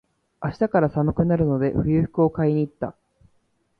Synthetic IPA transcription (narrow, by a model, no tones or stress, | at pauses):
aɕi̥t̪akaɾasamɯ̟kɯ̟naɾɯ̟no̞d̪e̞̰ɸɯ̟jɯ̟ɸɯ̟̥kɯo̞kaiɲ̟iːt̪ːa